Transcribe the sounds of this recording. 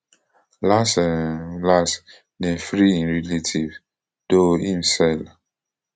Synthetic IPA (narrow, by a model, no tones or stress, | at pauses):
lasɛlas | nefɾiĩnɹiletʰiv | d̥oĩmsɛl